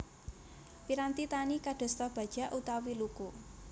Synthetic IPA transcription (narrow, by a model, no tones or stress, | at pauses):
piɾant̪it̪anikadɖ̥ɔ̤st̪ɔb̥a̤d̥ʒ̥a̤ʔut̪awiluku